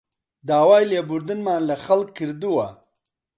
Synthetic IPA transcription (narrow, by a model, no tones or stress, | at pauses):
d̪aːwaːjlebuɾd̪inmaːnlaxalkkːiɾd̪uwa